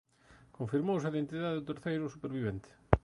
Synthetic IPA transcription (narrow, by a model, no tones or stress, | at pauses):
kõɱfiɾmows̬ajðent̪iðaðɪðʊt̪eɾθejɾʊsupeɾβiβɛnt̪ɪ̥